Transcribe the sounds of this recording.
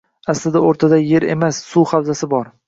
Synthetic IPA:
aslɪd̪aoɾt̪ʰad̪aje̞ɾe̞̰masːuχawzasɪbɒɾ

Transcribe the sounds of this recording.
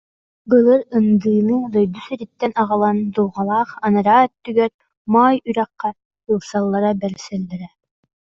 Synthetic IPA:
bɯlˠɯɾɯnd̪ɯːnɯd̪ɔjd̪usyɾit̪ːɛnɑʁɯlˠand̪ulˠʁɑlˠɑχɑnɯɾaːt̪ːyɡœt̪̚ | maːjyɾæqːæ | ɯlˠsɑlˠːɑɾabɛlsɛld̪ɛɾɛ

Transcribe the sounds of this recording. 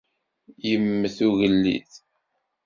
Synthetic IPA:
jəmːəθuʝəlːḭθ

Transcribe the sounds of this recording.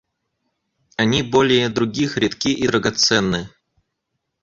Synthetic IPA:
anʲibolʲɪjəd̪ɾʊɡʲixɾʲɪt̪kʲiʔid̪ɾəɡat̪sɛnːɨ

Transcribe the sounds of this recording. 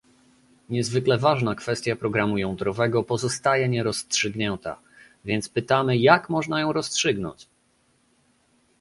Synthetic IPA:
ɲɛzvɘklɛvaʐnakfɛst̪ʲjapɾɔɡɾamujɔw̃d̪ɾɔvɛɡɔpɔzɔst̪ajɛɲɛɾɔstʂɘɡɲɛnt̪a̰ | vʲjɛnt̪spɘt̪amɘjakmɔʐnajɔ̃w̃ɾɔstʂɘɡnɔ̰ɲt͡ɕ

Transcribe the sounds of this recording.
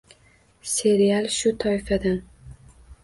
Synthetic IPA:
se̞ɾialˠʃʊt̪ʰɒɪfad̪an

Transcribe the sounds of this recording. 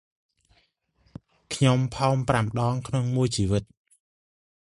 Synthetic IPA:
kʰɲompʰɑːmpraməɗɑːŋkʰnoŋmuəjt͡ɕiːʋɨt̪̚

